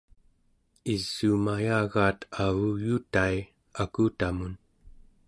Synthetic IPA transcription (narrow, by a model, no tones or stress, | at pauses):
iz̥ːuːmajaːɣaːt̪avujut̪ai | akut̪amun